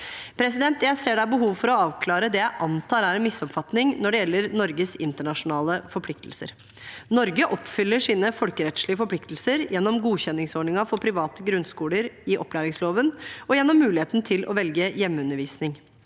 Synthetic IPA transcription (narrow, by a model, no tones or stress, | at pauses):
pʰɾɛsɪd̪ɛnt̪jæɪseːɖæbəɦuːʋfɔɾɔɑːʋkʰlɑːɾəd̪ɛjæɪʔɑnt̪ʰɑːɾæɾɛnmɪsːɔpfɑt̪nɪŋnɔɖɛjɛlːəɾnɔɾɡəsɪnt̪əɳɑʂʊnɑːləfɔɾpʰlɪk̚t̪l̩sə̰ɾ | nɔɾɡəʔɔpːfʏlːəʂiːnəfɔlkəɾɛt̪ʂɭɪəfɔɾpʰlɪkt̪l̩səɾjɛnːɔmɡuːçɛnːɪŋsɔɖɳɪŋɑfɔpʰɾɪʋɑːt̪əɡɾʉnskuːləɾɪʔɔpʰːlæːɾɪŋsloːʋənɔjɛnːɔmːʉːlɪheːt̪n̩t̪ʰɪlʔɔ̰ʋɛlɡəjɛmːəʉnːəɾʋiːsnɪŋ